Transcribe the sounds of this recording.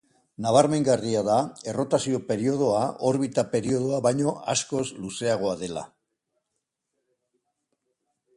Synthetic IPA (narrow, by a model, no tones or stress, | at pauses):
naβ̞aɾme̞ŋɡariaðae̞ro̞t̪asio̞pe̞ɾio̞ð̞o̞aʔo̞ɾβit̪ape̞ɾio̞ð̞oaβajɲo̞asko̞sluse̞aɣ̞o̞aðe̞la̰